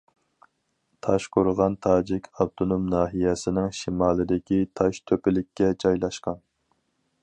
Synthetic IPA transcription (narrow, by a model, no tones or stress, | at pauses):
t̪ʰɑʃqʊɾʁɑnt̪ʰɑːd͡ʒɪkʲʰɑb̚t̪ʰonomnɑːɦijɛsɪnɪŋʃimɑːlˠɨd̪ɪkʲit̪ʰɑʃt̪ʰøpɪlɪkʲːɛd͡ʒɑjlˠɑʃqɑn